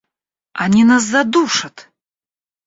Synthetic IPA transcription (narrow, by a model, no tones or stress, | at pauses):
anʲinasːad̪uʂɐt̪